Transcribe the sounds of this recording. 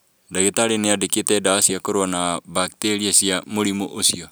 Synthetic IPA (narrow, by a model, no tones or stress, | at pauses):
daɡit̪alineadikit̪edaasiakoɾuanabak̚t̪eɾiasiamulimuʔusio